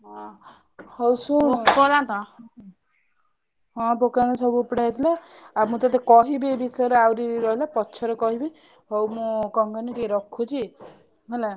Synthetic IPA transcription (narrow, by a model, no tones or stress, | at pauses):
ɦɔ̃ | hɔwsũpɔlant̪ɔ | ɦɔ̃pokanɔsɔbupɽajt̪ʰila | amũt̪at̪̬ekɔɦibiebisɔjɔɾeawɾiɾɔɦilapɔːt͡ʃʰɔɾɔkɔɦibi | ɦowmũkɔŋɡɔniʈieɾɔkʰːut͡ʃʰi | ɦela